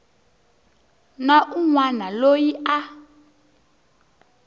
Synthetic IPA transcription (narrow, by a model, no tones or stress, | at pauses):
naʔuŋwanalojiʔa